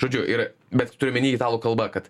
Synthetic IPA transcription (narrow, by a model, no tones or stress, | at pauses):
ʒoːd͡ʒʲʊʔɪɾbʲɛt̪ʲt̪ʊɾʲɪmʲɪnʲiːit̪ɑːlˠoːkɐlˠbɐkɐt̪